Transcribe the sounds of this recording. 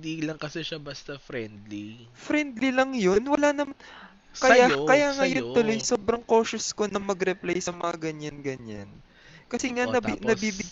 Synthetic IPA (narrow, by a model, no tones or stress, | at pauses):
d̪ilɐŋkɐsɛʃɐbɐst̪ɐfɾɛnd̪lifɾɛnd̪lilɐŋjonwɐlanɐman | kɐjakɐjaːŋɐjont̪ʊlo̞jsoːbɾɐŋko̞ːʃʊsko̞nɐmɐɡɾɛplajsɐmɐŋaɡɐɲanɡɐɲa̰n | kɐsɛŋanɐnɐbiːbɪ